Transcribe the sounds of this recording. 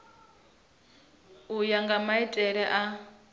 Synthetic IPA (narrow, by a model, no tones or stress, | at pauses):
ujaŋɡamaitʼɛɺɛʔa